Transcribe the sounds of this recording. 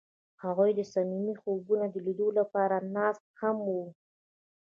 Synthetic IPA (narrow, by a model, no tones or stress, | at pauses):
haɣujd̪əsamimixobunad̪əlid̪olapɑɾanɑst̪̚hamwu